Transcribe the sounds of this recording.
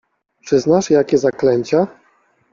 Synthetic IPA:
pʂɘznaʂjakʲɛzaklɛɲt͡ɕa

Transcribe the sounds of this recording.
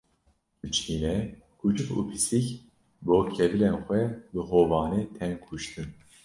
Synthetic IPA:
ɨt͡ʃʰiːnɛ | kʰut͡ʃɨfṵːpʰisik | boːkʰɛvɨlenxʷɛbɨɦoːvɑːneːt̪ʰɛnkʰuʃt̪ɨn

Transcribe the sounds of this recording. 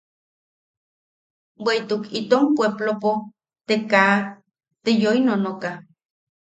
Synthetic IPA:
weit̪ukit̪ompweplopo | t̪eka | t̪ejoinonoka

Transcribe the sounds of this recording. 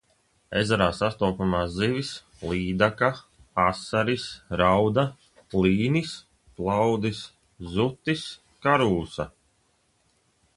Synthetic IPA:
ezaɾaːsast̪ɔːpamaːzivis | lˠiːd̪aka | asaɾisɾawd̪a | lˠiːnis | plˠawd̪is | zut̪ːis | kaɾuːsa

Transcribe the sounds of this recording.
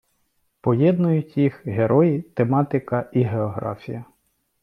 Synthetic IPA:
pɔjɛd̪nʊjʊtʲjixɦeɾʔɔjit̪emɑt̪ɪkɐiɦeɔɦɾɑ̰fʲḭjɐ

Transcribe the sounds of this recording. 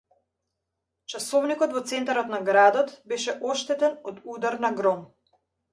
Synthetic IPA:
t͡ʃasɔvnikɔt̪vɔt̪sɛnt̪aɾɔt̪naɡɾad̪ɔt̪bɛʃɛʔɔʃt̪ɛt̪ɛnɔd̪ud̪aɾnaɡɾɔm

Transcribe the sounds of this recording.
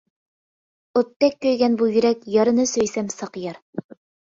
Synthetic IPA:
ŏt̪ːækːɵ̆jɡænbujɵ̆ɾækjɤ̆ɾɤ̆nɤsɵ̆jsæmsɤqjɤɾ

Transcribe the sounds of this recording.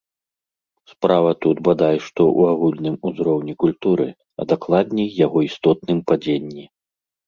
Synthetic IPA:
spɾavɐt̪ud̪bad̪ajʂt̪ɔʔṵaɣulʲnɨmuzɾɔwnʲikulʲt̪uɾɨ̰ | ɐ̰d̪aklˠad̪ʲnʲɛjjaɣɔist̪ɔt̪nɨmpad͡zʲenʲːi

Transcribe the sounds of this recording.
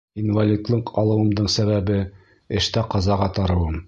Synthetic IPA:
invalʲid̪lˠɤqʰɑlˠɤ̆wɤ̆md̪ɤɴsæβæbɘ | ɘ̆ʃt̪æqɑzɑʁɑt̪ɑɾɤ̆wɤm

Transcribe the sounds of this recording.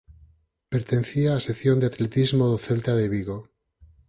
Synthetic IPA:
peɾt̪en̟θiaːseθjond̪eat̪let̪izmoðoθelt̪aðeβiɣo

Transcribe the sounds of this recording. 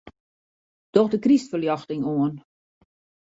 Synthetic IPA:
d̥ɔxdəkristfəljɑxtɪŋoən

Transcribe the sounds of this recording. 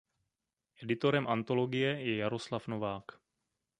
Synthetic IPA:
ʔɛdɪt̪oɾɛmʔant̪o̞loɡɪjɛjɛjaɾo̞slafnovaːk

